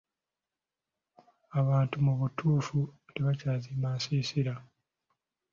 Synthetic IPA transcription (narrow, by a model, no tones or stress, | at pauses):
aβaːntumuβutʰuːfuteβacaːzimaːsiːsiɾa